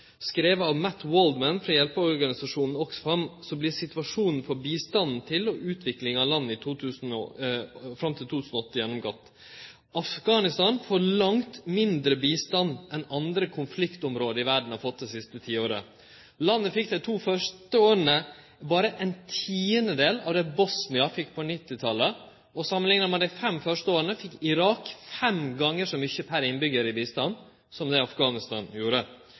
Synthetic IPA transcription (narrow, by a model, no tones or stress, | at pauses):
skɾeːʋəɑʋmæt̪wold̪mænfɾɑjɛlpəɔɾɡɑnɪsɑʂuːnn̩ɔksɔ̥fɾɑmsɔblɪɾsɪt̪ʉɑʂuːnn̩fɔɾbiːst̪ɑnn̩t̪ʰɪlɔʉːt̪ʰʋɪklɪŋɑʋlɑnːəɪt̪ʰuːt̪ʰʉːsn̩ɔ̰ | fɾɑmt̪ʰɪlt̪ut̪ʰʉːsn̩ɔɔt̪ːəjɛnːɔmɡɔt̪ː | ʔɑfɡɑːnɪst̪ɑːnfɔɾɭɑŋt̪mɪnd̪ɾəbiːst̪ɑnɛnɑnd̪ɾəkʰʊnflɪkt̪ɔmɾoːd̪əɪʋæɖɳ̩ɑɾfɔt̪̚d̪ɛsɪst̪ət̪ʰiːoːɾə̰ | lɑnːəfɪk̚d̪ɛɪt̪ʰuːfœʂʈəoːɾənə | bɑːɾəʔɛnt̪ʰiːənəd̪eːlɑ̰ːʋd̪ɛbɔsnɪɑfɪkːpʰɔnɪt̪ːɪt̪ʰɑlːə | ɔsɑmːənlɪŋnəɾmɛd̪æɪfɛmfœʂʈəoːɾənəfɪkːɪɾɑːkfɛmɡɑŋːəʂɔmʏçəpʰæɾɪnbʏɡəɾɪbiːst̪ɑn | sɔmd̪ɛɑfɡɑːnɪst̪ɑ̰ːnjuːɾə